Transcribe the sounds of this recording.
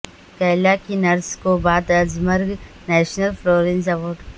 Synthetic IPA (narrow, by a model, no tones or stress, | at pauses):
kɐlaːkinɐɾskobaːd̪əzmɐɾɡ | nɛːʃnəlfloːɾenzɐʋoːɖ